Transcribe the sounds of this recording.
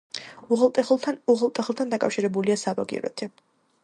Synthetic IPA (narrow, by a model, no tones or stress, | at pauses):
uʁˠt̪ʼʰuʁlˠt̪ʼɛχlˠt̪ʰand̪akʼafʃiɾɛbuliasabaɡḭɾɔ̰t̪ʰi